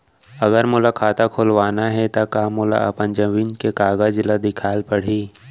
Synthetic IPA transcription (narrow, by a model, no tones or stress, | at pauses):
ɐɡəɾmʊlakʰaːt̪akʰoːlʋaːnaɦɛt̪akaːmʊla̰ɐ̰pənd͡ʒɐʋiːnkekaːɡad͡ʒlad̪ɪkʰaːlpəɽ̤iː